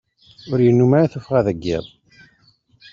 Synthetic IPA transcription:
ʊɾjənːumaɾaθufʁæðæɡːæ̰ðˤ

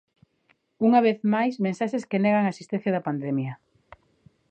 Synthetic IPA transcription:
uŋɐβ̞eθmajsmẽnsaʃeskeneɣaŋaesist̪ɛ̃θjɐðɐpand̪ɛmjɐ

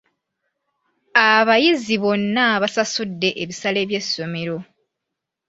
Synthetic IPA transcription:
aβajiziβo̞nːaβasasudːe̞ʔeβisale̞ːβje̞sːo̞me̞ɾo̞

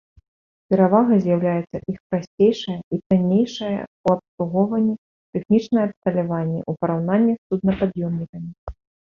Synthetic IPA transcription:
pʲɛɾavaɣɐzʲjawlʲajɛt̪sːɐʔixpɾasʲt͡sʲejʂɐjɐit̪anʲːejʂɐjɐ̰uɐpslˠuɣɔvɐnʲːi | t̪ɛxnʲit͡ʂnɐjɛɐpst̪ɐlʲavanʲːɛ̰ʔupɐɾawnanʲːisud̪̚nɐpad̪jɔmnʲikɐmʲi

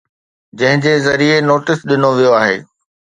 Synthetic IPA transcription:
d͡ʑɐ̃ɦɪ̃d͡ʑeːzɐɾienoːʈɪsɗɪnoʋijoaːɦḛː

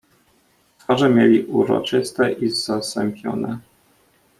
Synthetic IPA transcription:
t̪faʐɛmʲjelʲiʔuɾɔ̰t͡ʂɘst̪ɛʔizasɛmpʲjɔ̰nɛ

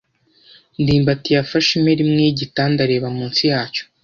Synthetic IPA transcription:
ndiːmbatijafaʃime̞ɾimŋeɟitaːndaɾe̞ːβamuːnsijaːt͡ʃo̥

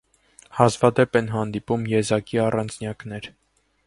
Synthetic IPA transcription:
hɑzvɑd̪ɛpɛnɦɑn̪d̪ipumjɛzɑkiɑrɑnd͡znjɑknɛɾ

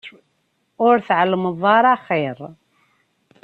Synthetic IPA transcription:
ʊɾθʕələməðˤɑɾˤɑχiɾ

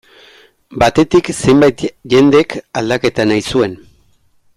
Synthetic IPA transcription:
bat̪e̞t̪ikse̞jmbajt̪ʝe̞nd̪ekald̪ake̞t̪anajsue̞n

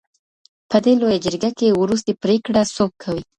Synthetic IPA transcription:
pəd̪elojad͡ʒəɾɡakewɾus̬t̪epɾekɽasop̚kʰawi

